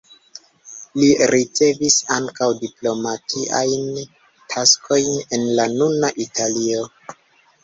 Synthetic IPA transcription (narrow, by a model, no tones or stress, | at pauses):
liɾʔit͡se̞visaŋkawdiplo̞matʰiʔa̰jn | tʰaskʰo̞jne̞nlanunaʔitʰalio̞